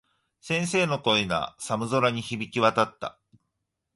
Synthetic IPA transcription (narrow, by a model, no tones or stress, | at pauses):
sẽ̞ɰ̃se̞ːno̞ko̞ina̰samɯ̟zoɾaɲ̟içibʲikʲiβat̪at̪ːa̰